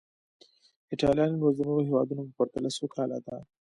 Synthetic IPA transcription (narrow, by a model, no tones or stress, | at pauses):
ɪʈɑlijɑnlwazanoɾoɦewɑ̰d̪unopəpəɾt̪alasokʰɑlad̪a